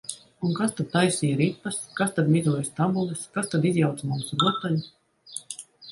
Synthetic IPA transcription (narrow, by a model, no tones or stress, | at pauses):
unkast̪ad̪̚t̪ajsiːjaɾit̪̚paskast̪ad̪mʲizuɔjst̪abulɛskast̪ad̪izjawt̪smumsɾuɔt̪alʲu